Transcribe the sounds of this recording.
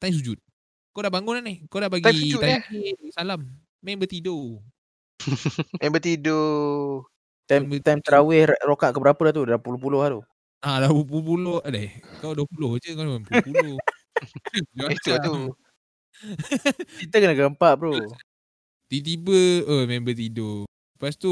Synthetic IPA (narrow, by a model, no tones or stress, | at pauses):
t̪ajms̬ud͡ʒut̪̚ | kodaʔbaŋɡʊnanɪhkodaʔbaɡ̪aisud͡ʒuajiaisalamː | ɛ̃nbət̪ido | mɛ̃mbət̪ido | t̪ammt̪ajmt̪əɾawɛhrokaʔkəbəɾapədat̪udapulohpulʊhalu | alabup̬ulpulohlakawduəhpulohd͡ʒəkanamɛ̃mbəppulo | at̪uat̪u | kit̪əkənəɡəmpaʔbəɾo | t̪it̪̬ibəəmɛmbət̪ido | past̪u